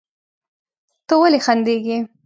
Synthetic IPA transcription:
t̪owalexand̪eɡi

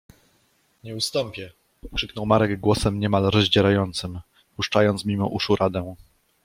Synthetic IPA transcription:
ɲɛust̪ɔmpʲjɛ | kʂɘknɔwmaɾɛɡɡwɔsɛmɲɛmalɾɔzʑd͡ʑɛɾajɔnt̪sɘm | puʂt͡ʂajɔnt̪mʲimɔ̰ʔuʂuɾʔad̪ɛw̃

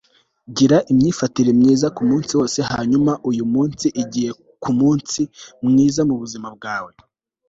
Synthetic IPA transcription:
ɟiɾaʔimɲiːfatiɾemɲiːzakumuːnsiwo̞ːse̞haːɲumaʔujumuːnsiʔiɟihe̞ | kʰumuːnsimŋiːzamuβuzimab̚ɡaːwe̞

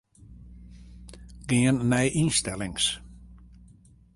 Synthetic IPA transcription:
ɡ̥ɪənːɛjʔinstɛlɪŋs

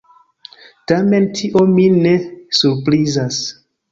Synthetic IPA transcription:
tame̞ntʰiʔo̞mine̞suɾpɾizas

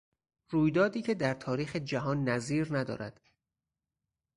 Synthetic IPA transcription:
ruːjd̪ɒːd̪iːcʰe̞d̪æɾt̪ʰɒːɾiːxe̞d͡ʒæɦɒːnːæziːɾnæd̪ɒ̰ːɾæ̰d̪̥

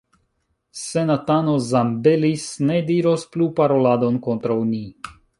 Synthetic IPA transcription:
se̞nat̪anozambelisne̞diɾo̞splupaɾo̞lad̪o̞nkont̪ɾawni

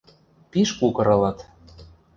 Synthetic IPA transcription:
piʃkukɤ̆ɾɤ̆lɑt̪

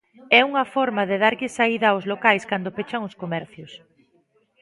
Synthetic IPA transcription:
ɛuŋɐfɔɾmɐðɪð̞aɾʎɪsaiðɐaʊzlokajskand̪ʊpet͡ʃɐŋʊskomɛɾθjʊs

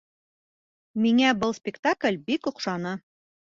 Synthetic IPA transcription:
miŋæbɤlˠspʲɪkt̪aklʲbikŏqʃɑnɤ

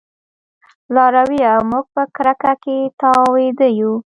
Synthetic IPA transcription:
lɑɾawiamuɡ̚pəkɾakaket̪ɑwed̪əju

